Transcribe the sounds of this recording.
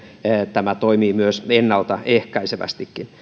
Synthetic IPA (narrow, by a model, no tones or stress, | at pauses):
t̪æmæt̪oimiːmyøsenːɑlt̪ɑehkɑiseʋæ̰st̪ikːin